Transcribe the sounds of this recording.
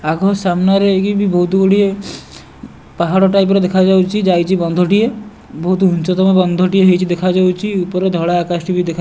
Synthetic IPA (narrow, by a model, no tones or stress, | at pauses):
aɡʱɔsamnaɾekibʱibɔɦut̪ɡoɽie | paɦaɽoʈajp̬ɾed̪ekʰad͡ʒawt͡ʃʰid͡ʒajt͡ʃʰibɔnd̪ʱoʈije | bɔɦut̪ũnt͡ʃɔt̪ɔmɔbɔnd̪ʱoʈieɦojt͡ʃʰid̪ekʰad͡ʒawt͡ʃʰiupɔɾed̪ʱɔɽaːkasʈibʱid̪ekʰa